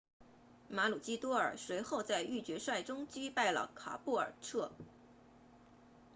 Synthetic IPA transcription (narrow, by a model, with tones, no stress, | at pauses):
ma˧˥lu˨˩t͡ɕi˥t̪wɔ˥ə̰˞˨˩swe˧˥ɪxo˥˧ʊt͡sa˥˧ɪy˥˩t͡ɕɥɛ˧˥ʂwa˥˩ɪʈ͡ʂʊ˥ŋt͡ɕy˥pa˥˩ɪlə̰˩kʰa̰˨˩pu˥˩ə̰˞˨˩ʈ͡ʂʰɤ˥˩